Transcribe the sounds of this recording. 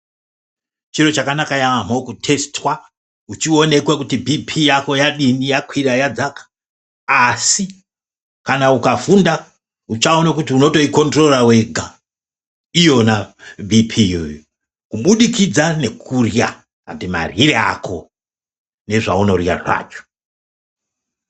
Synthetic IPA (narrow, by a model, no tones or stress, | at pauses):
t͡ʃiɾo̞t͡ʃakanakajaamo̞kutʰe̞stwa | ut͡ʃio̞ne̞kwekutibʱipʰijako̞jaɗinijakwiɾajad͡zakḁː | si | kanaukafunda | ut͡ʃao̞nakutiuno̞to̞iko̞ntro̞rawe̞ɡʱa | ijo̞nabʱipʰiojo | kuɓuɗikid͡zane̞kʰurja | katima̰riɾea̰kʰo̞ | ne̞ʐa̰uno̞rja̰rwa̰ːt͡ʃo̥